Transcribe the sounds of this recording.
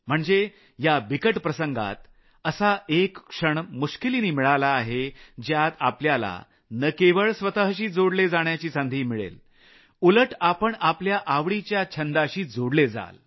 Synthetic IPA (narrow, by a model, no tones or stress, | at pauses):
m̤əɳd͡ze | jabikəʈpɾəsəŋɡa̰t̪ | əsaekːʂəɳmuɕkiliːniːmiɭalaːɦed͡ʑjat̪apljala̰ | nəkeʋəɭsʋət̪əɦəɕiːd͡zoɽled͡zaɳjat͡ɕiːsand̪ʱiːmiɭḛl | uləʈapəɳapljaʔaʋɽit͡ɕjat͡ɕʰənd̪aɕiːd͡zoɽled͡za̰l